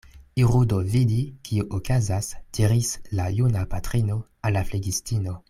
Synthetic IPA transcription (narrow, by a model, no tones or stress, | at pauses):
iʁudovidikʰiuʔokazasd̥iɾislajunapatɾino | alːafleɡistino̞